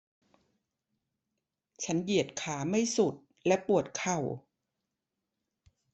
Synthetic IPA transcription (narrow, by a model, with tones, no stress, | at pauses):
t͡ɕʰa˦˥nji˨˩ət̪̚kʰaː˩˦ma˥˩jsu˨˩t̪̚ | lɛ˦˥pu˨˩ət̪̚kʰa˨˩w